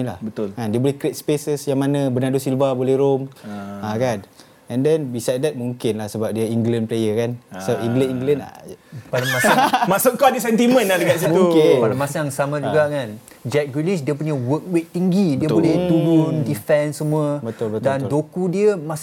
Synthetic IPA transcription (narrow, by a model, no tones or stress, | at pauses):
ilahbət̪ʊlkandiəbolɛhkɾɪt̪̚spesəsjaŋmanãbənadosilvabolɛhɾomakan | ɛ̃ndɛnbisajd̚dɛt̪̚muŋkɪnlahsəbap̚diəiŋɡlɛnplejəkansəbapĩŋɡlɛniŋɡlɛna̰padamasamasʊʔkaadəsɛnt̪imə̃nadəkat̪s̬imukɪpadamasaŋsamãd͡ʒuɡaʔkan | d͡ʒɛk̚ɡwilisdiəpuɲəwək̚weʔ̚t̪ːiŋɡidiəbolɛht̪uɾundifɛnsəmũəbət̪olbətd̪dandokudiəmas